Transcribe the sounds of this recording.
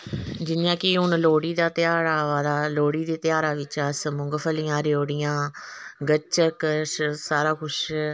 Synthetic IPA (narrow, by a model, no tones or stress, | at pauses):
d͡ʒɪnjãːkɪɦʊnloːɽiːd̪aːt̪ɪjaːɾaːʋaːd̪aːloːɽiːd̪eːt̪ɪjaːɾaːʋɪt͡ʃaːsəmʊŋɡpʰəlijãːɾjoːɽɪjãːɡət͡ʃəksaːɾaːkʰʊʃ